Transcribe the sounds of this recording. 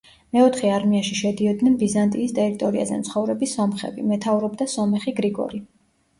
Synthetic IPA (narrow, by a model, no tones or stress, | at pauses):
mɛɔt̪ʰχɛaɾmiaʃiʃɛd̪iɔd̪nɛnbizant̪ʼiːst̪ʼɛɾit̪ʼɔɾia̰zɛ̰nt̪sʰχɔvɾɛbisːɔmχɛ̰bḭmɛt̪ʰavɾɔbd̪asɔmɛχiɡɾiɡɔ̰ɾi